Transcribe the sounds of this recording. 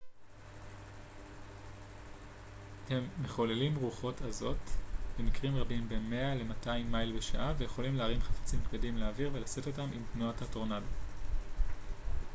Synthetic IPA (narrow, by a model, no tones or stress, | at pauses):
hemːeχolelimʁuχo̞tʰazo̞tvemikʁimʁabimbe̞me̞ale̞mataimːajlbe̞ʃa̰ʔaveje̞χo̞limleːʁinχafḁt͡simkvedimleaːviʁve̞lase̞to̞tamimknoatato̞ʁnado